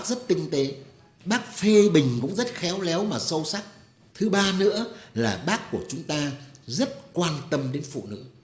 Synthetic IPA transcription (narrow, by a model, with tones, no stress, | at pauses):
k̚zə˦˥t̚t̪ï˧ŋ̟t̪e˨˦ | ɓaː˦˥k̚fe˧ɓï˨˩ŋ̟kʊ̰˧˥ŋ͡mzə˦˥t̚xɛ˨˦wlɛ˨˦wmaː˨˩sə˧wsa˦˥k̚ | t̪ʰɨ˨˦ɓaː˧nɨ̰˧˥əlaː˨˩ɓaː˦˥kːu˧˩ət͡ɕʊ˨˦ŋ͡mt̪aː˧zə˦˥t̚kwaː˧nt̪ə˧mɗe˨˦nfṵ˧˨nɨ̰˧˥